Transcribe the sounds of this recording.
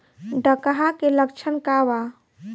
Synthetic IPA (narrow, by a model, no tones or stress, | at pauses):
ɖəkɦakeləkt͡ʃʰənkaʋa